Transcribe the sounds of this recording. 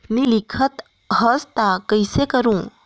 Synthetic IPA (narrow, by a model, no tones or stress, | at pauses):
nilikʰət̪ | ɦəst̪akəjsekəɾũ